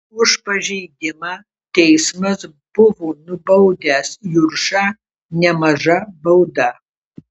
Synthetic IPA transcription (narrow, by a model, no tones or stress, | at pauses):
ʊʃpɐʒʲɛjd̪ʲɪmɐ | tʲɛjsmɐs | bʊvoːnʊbɐwd̪ʲæːsjʊrʂɐ | nʲɛmɐʒɐbɐwdɐ